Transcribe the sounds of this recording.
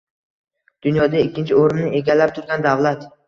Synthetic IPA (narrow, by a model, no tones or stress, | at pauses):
d̪̥ʊnjɒd̪aɪkʲːɪnt͡ʃʰɪoɾɪmnɪe̞ɡʲalːap̚t̪ʰʊɾɡʲand̪avlat̪